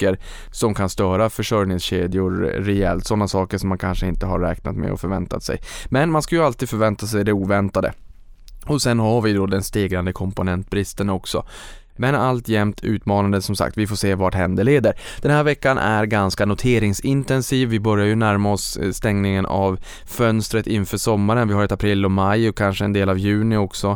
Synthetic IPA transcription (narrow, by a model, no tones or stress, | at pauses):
kəɾ | sɔmkʰanst̪œːɾafœʂœɾnɪŋsɕeːd̪ɪʊɾːɛɛ̰lt̪sɔnːasɑːkəʂɔmːankʰanʂəɪnt̪əɦa̰ɾːɛ̰ːkna̰t̪mɛ̰ɔ̰fœɾvɛnt̪a̰t̪sɛ̰jmɛnmanskajɵalt̪ʰiːd̪fœɾvɛnt̪as̬ɛjd̪ɛuːvɛnt̪ad̪ə̰ | ɔsɛnɦaɾvɪd̪ɔd̪ɛnst̪eːɡɾand̪əkʰɔmpʊnɛnt̪̚bɾɪst̪ənɔksɔ̰ | mɛnalt̪jɛmt̪ʰʉ̟̰ːt̪mɑːnand̪əsɔmsa̰kt̪vɪfoːʂeːvaʈhɛnd̪əɭeːd̪əɾd̪̥ɛnɦæːɾvɛkːanʔæ̰ɾɡanskanʊt̪ʰeːɾɪŋsɪnt̪ɛnsiːvːɪbœɾjaɾjɵnæɾmaɔsst̪ɛŋnɪŋənʔa̰v | fœnst̪ɾət̪ɪnfœːʂɔmːaɾənvɪhaɾɛt̪apʰɾɪlːɔmajɔkʰanʂəɛ̰nd̪eːlavjʉ̟ːnɪɔksɔ